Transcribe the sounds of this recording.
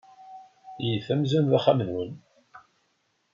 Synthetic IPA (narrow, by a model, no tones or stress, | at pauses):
jəθæmzænðaχamənwən